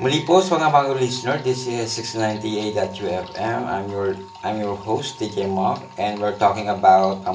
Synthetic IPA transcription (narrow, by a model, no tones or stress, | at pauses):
mʊlipospɐŋabaːɡolisɪnɛɹd̪ɪsɪsɪksnãj̃nt̪ied̪ɐt̪̚juɛfɛ̃ma̰jmjɔɹ | ʔajmjɔɹhowst̪d̪ikejmɔfʔɛ̃nd̪wɪɹt̪ɔkɪ̃ŋɐbawt̪̚